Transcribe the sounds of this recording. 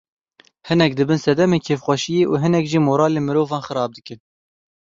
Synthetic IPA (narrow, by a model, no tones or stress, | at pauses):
hɨnɛk̚d̪ɨbɨnsɛd̪ɛmeːnkʰeːfxʷɛʃijeːʔuɦɨnɛkʒiːmoːɾɑːleːnmɨɾoːvɑːnxɨɾɑːb̚d̪ɨkɨn